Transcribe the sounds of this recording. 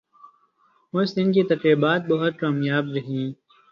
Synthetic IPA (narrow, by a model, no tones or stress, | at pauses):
mʊsɪnkit̪ɐkɾiːbaːt̪̚bɐɦʊt̪̚kaːmjaːbɾɐɦĩː